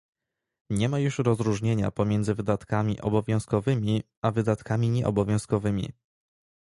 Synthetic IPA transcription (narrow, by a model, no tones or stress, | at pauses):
ɲɛmajuʂɾɔzɾuʐɲeɲa̰pɔmʲjɛnzɘvɘd̪at̪kamʲiʔɔ̰bɔvʲjɔ̃w̃skɔvɘmʲi | avɘd̪at̪kamʲiɲɛʔɔ̰bɔvʲjɔ̃w̃skɔvɘmʲḭ